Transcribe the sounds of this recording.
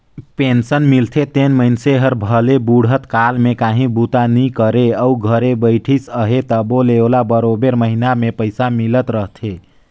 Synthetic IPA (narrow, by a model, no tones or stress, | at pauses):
pensənmilt̪ʰet̪enməɪnseɦəɾbʱəlebuɽ̤ət̪kalmekaɦĩbut̪anikəɾeəuɡʱəɾebəjʈʰisəɦet̪əboleolabəɾobeɾməɦinamepəɪsamilət̪ɾəɦt̪ʰe